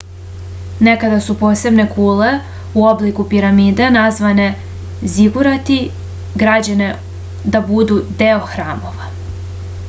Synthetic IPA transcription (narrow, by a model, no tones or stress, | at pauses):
ne̞kad̪asupo̞ːse̞bne̞kuːle̞ | uoblikupiɾamiːd̪anazʋane̞ | ziɡuɾat̪i | ɡɾad͡ʑane̞ | d̪abud̪ud̪eo̞xɾaːmo̞ʋa